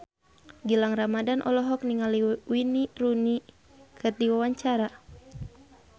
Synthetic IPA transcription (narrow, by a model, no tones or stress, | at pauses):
ɡilaŋramadanʔɔ̰lɔɦɔk̚niŋaliwiniruni | kət̪iwawaɲt͡ʃaɾa